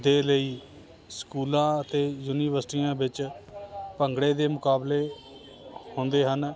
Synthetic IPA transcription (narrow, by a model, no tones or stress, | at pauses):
d̪eːləiː | skuːlãːət̪eːjuːniːʋəɾsʈiːjãːbɪt͡ʃ | pəŋɡɽeːd̪eːmʊkaːbleː | hõːnd̪eːɦən